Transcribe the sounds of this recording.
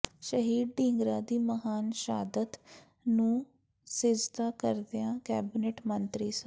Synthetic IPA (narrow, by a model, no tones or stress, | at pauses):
ʃəɦiːd̪ɖĩːŋɡɾaːd̪iːməɦaːnʃaːd̪ət̪ | nũː | sɪd͡ʒd̪aːkəɾd̪eãːkɛːbɪneːʈmənt̪ɾiːs